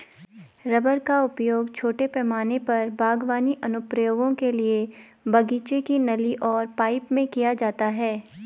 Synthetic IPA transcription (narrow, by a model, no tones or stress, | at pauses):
ɾɐbəɾkaʊpjoːɡt͡ʃʰoːʈepɛːmaːnepɐɾbʱaːɡʋaːniʔɐnʊpɾəjoːɡõkelie | bɐɡiːt͡ʃekinɐliʔɔːɾpaːɪpmẽkijad͡ʒaːt̪aɦɛː